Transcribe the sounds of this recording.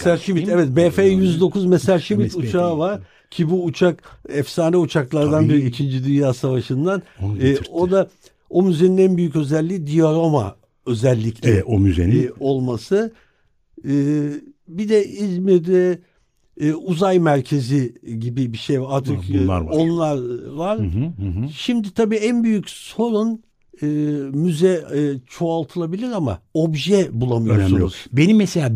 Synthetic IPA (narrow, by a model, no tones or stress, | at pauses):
sæɾʃimit̪ɛvɛt̪̚bɛːfeːjyzd̪o̞kʰuzmesaɾʃimit̪ut͡ʃʰaːvaɾ̥ | cʰibuːt͡ʃʰakɛfsaːnɛut͡ʃʰaklˠaɾd̪anbiɾiicʰind͡ʒid̪ynjaːsavaʃɯnd̪anːo̞d̪a | o̞myze̞ninænbyjycø̞zɛlʲːiːd̪ijoɾoma̰ | ø̞zɛlʲːiclʲɛʔomyzḛnio̞lˠmasɯ | ɯːbid̪ɛizmiɾd̪ɛː | uzajmæɾcʰe̞ziɟibibiʃejvaɾaɾt̪ʰɯkːˠa̰ɾo̞nlˠaɾvaɾ̥ | ʃimd̪it̪ʰabiːænbyjycso̞ɾun | ɯːmyzɛt͡ʃʰo̞alˠt̪ʰɯlˠabilʲiɾama̰o̞bʒɛbulˠamɯjoɾunusz̥be̞nimːɛselʲaː